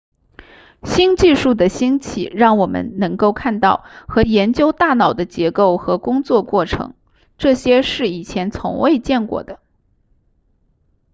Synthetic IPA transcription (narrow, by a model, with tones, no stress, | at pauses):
ɕi˥nt͡ɕi˥˧ʂu˥˩d̪ə˩ɕi˥nt͡ɕʰḭ˨˩˦ɻɑ˥˩ŋwɔ˨˩mə̰˧˦nnɤ˧˥ŋko˥˧ʊkʰa˥˧nt̪ɑ˥˩ʊxɤ˧˥jɛ˧˥nt͡ɕjo˥ʊt̪a˥˩nɑ˨˩ʊd̪ə˦t͡ɕjɛ˧˥ko˥˩ʊxɤ˧˥kʊ˥ŋt͡swɔ˥˧kwɔ˥˩ʈ͡ʂʰɤ̰˧˥ŋ | ʈ͡ʂɤ˥˩ɕjɛ˥ʂɻ̩˥˩i˨˩t͡ɕʰjɛ˧˥nt͡sʰʊ̰˧˥ŋwe˥˧ɪt͡ɕjɛ˥˩nkwɔ̰˥˩d̪ə˩